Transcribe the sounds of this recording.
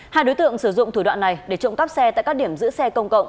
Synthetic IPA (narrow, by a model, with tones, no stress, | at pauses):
haː˧jɗo˨˦jt̪ɨ̰˧˨əŋsɨ˧˩zʊ̰˧˨ŋ͡mt̪ʰu˧˩ɗwa̰ː˧˨nːa˨˩jɗe˧˩t͡ɕʊ̰˧˨ŋ͡mka˦˥p̚sɛ˧t̪aː˧˨jka˦˥ɗi˧˩əmzɨ̰˧˥əsɛ˧kə˧wŋ͡mkə̰˧˨wŋ͡m